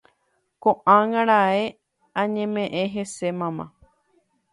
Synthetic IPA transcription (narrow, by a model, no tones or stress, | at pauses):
kõʔãŋãɾae | ãɲẽmẽʔẽɦe̞se̞mãmã̰